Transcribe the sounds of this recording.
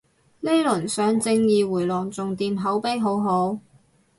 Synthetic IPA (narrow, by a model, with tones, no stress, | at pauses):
le˥jlɵ˨˩nsœː˨˥ŋt͡sɪ˧ŋjiː˨wuː˨˩jlɔː˨˩ŋt͡sʊ˨ŋt̪iː˨mɦɐ˨˥wpe˥jɦo˨˥wɦo˨˥w